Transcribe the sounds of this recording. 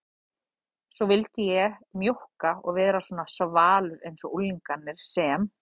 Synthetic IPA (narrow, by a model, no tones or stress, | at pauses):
sɔvɪlt̪ɪjɛɣmjohkaɔ̰ɣvɛːðɾaswɔːnasvaːlʏɾejnsɔʔulːiŋkanːɪɾ̥sɛm